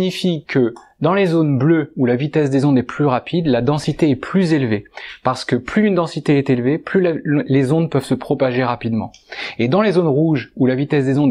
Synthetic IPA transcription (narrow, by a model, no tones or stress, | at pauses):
ɲifikʰəd̪ɑ̃lezonbløulavit̪ɛsd̪ezɔ̃d̪ɛplyʁapʰid̪lad̪ɑ̃sit̪eɛpʰlyzelvepaʁsə̥kəplyːnd̪ɑ̃sit̪eɛt̪elveplyllezɔ̃d̪pœv̥səpχɔpaʒeʁapid̪mɑ̰̃ed̪ɑ̃lezonʁuʒulavit̪ɛsd̪ezɔ̃d̪